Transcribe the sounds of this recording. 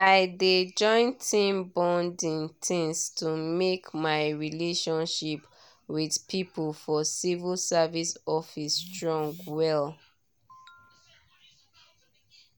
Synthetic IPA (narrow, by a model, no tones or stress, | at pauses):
aɪded͡ʒɔ̃ɪ̃ntʰĩmbɔ̃ndĩntʰĩnstumekmaɪɹileʃɔ̃nʃip | widpʰipəlfɔsivəlˠsavisɔfistɹɔ̃ŋɡwɛl